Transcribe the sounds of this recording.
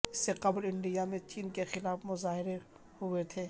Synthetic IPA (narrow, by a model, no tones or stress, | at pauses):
ɪsːeqɐblɪ̃ɳɖijamẽt͡ʃiːnkexɪlaːfmʊzaːɦɪɾe | ɦʊet̪ʰeː